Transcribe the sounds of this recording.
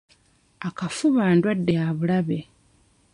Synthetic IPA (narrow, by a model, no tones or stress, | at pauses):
akafuβaːndwadːejaβulaβe̞